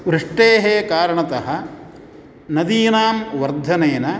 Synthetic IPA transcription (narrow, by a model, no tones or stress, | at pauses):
ʋɾɨʂʈeːɦeːkaːɾɐɳɐt̪ɐɦɐ | nɐd̪iːnaːmʋɐɾd̪ʱɐneːnɐ